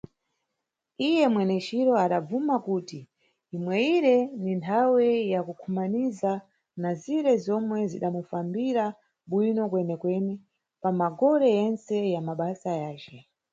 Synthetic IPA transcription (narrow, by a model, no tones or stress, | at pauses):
ijɛmwɛnɛt͡ʃiɾɔaɗab͡vumakuːti | imwɛiɾɛnintʰawɛjakukʰumaniza | naziɾɛzɔmwɛzḭɗamufambiɾa | ɓwinɔkwɛnɛkwɛːnɛ | pamaɡɔɾɛjɛnsɛjamaɓasajaːt͡ʃɛ